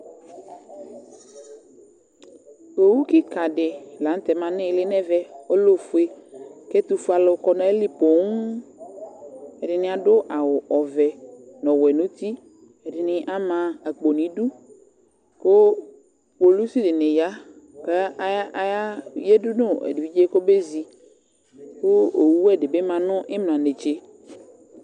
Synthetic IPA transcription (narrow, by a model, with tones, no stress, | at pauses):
o˨wu˦kɪ˦ka˨dɪ˨la˨n˦t̪ɛ˨mã˨nɪ̃˦lɪ˦nɛ˦vɛ˦o˦lo˦fʊ˦e˦ke˦t̪u˨fu˦a˨lo˨kɔ˨nɔ̃˨e˦li˦po˨ŋ˦ | e˨dɪ˨nɪ̃˦a˨dʊ˦ʔa˨wʊ˨ʔɔ˨vɛ˨nɔ̃˨wɛ˨nũ˦t̪i˦ | ɛ˨dɪ˨nɪ̃˨˦ʔa˦mã˨a˨k͡po˨nĩ˨˦du˦ | ko˦ | k͡po˨lu˦si˦dɪ˨ne˨ja˦ | ke˦ja˦je˦dʊ˦nʊ̃˦ɛ̰˨di˨vi˦d͡ʒe˦ko˦be˦zi˨ | ko˦o˨wu˦ɛ˦˨dɪ˨be˦mã˨nʊ̃˦ʔɪ˦mlã˨ne˨t͡ʃe˦